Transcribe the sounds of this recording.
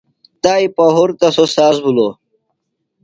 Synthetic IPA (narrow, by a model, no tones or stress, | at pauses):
t̪aːipɐɦuɾt̪ɐsosaːsbulo